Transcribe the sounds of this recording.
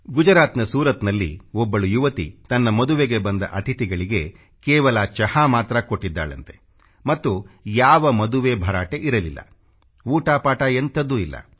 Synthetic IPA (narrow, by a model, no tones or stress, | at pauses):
ɡud͡ʒɐɾaːt̪nɐsuːɾɐt̪nɐlːḭɔbːɐɭujuʋɐt̪ḭt̪ɐnːɐmɐd̪uʋeɡe̞bɐnd̪ɐʔɐt̪ʰit̪iɡɐɭiɡe̞ | kɛːʋɐlaːt͡ʃɐhaːmaːt̪ɾɐko̞ʈːid̪ːa̰ːɭɐ̰nt̪e̞̥ | mɐt̪ːujaːʋɐmɐd̪uʋe̞bʱɐɾaːʈe̞ʔiɾɐlilːɐ̰ | uːʈaːpaːʈɐent̪ɐd̪ːuilːɐ̰